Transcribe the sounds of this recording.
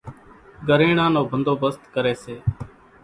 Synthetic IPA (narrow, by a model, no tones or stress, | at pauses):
ɡəɾeːɳãːnoːbʱənd̪oːbəst̪kəɾeːseː